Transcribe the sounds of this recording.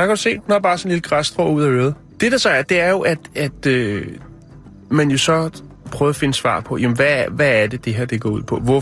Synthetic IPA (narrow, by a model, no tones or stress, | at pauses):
jɑkʰɒu̥se̝̰ːdnob̥ɑ̈ːsɒ̽nliləɡ̥ʁasd̥ʁɔ̰ːuð̞̰ˠæøːðˠ | d̥e̝ɾ̥ɑ̈sɒ̽æɐd̥e̝æɐjo̝ʔæd̥æd̥ø | mænjo̝sɒ̽ | pʰʁœːðˠɐfe̝nəsʋɑ̰̈ːpʰɒ̽jæmenʋæʋææɐd̥e̝d̥e̝ɦeɐ̰d̥e̝ɡ̥ɒ̰ːuð̰ˠpʰɒ̽ʋɒ